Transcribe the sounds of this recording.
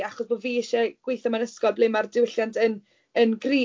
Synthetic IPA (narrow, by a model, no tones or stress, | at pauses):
aχɔsboːviːɪʃɛɡ̥wejθɔmanəskɔblejmardɪwɪɬjantʰən | ənɡriː